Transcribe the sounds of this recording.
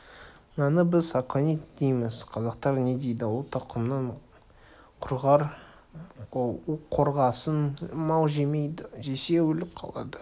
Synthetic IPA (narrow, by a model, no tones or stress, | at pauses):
nɑnəbɪz̥sɑkʰonet̪d̪ejmɪz̥qʰɑzɑqt̪ɑɾne̞d̪ejd̪ɪwot̪ʰɑqʰʊmnɑɴ | qʰʊɾʁɑɾ | uo̞ɾʁɑsənmɑlˠʒemejd̪ɪʒese̞wɵlɪp̚qʰɑ̰lˠɑ̰d̪ə